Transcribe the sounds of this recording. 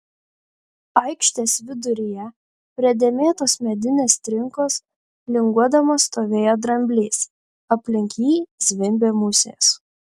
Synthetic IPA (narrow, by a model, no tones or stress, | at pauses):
ɐɪkʃʲt̪ʲeːsʋʲɪd̪ʊɾʲɪjɛ | pʲɾʲɛd̪ʲeːmʲeːt̪oːsmʲɛd̪ʲɪnʲeːst̪ʲɾʲɪŋkoːs | lʲɪŋɡuɔd̪ɐmoːst̪oːʋʲeːjod̪ɾɐmʲbʲlʲiːs | ɐpʲlʲɪŋʲkʲiːzʲʋʲɪmʲbʲeːmʊsʲḛːs